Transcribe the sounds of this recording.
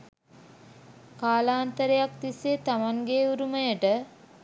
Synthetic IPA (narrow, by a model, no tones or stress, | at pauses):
kaːlaːnt̪əɾejak̚t̪iset̪amaŋɡeuɾuməjəʈə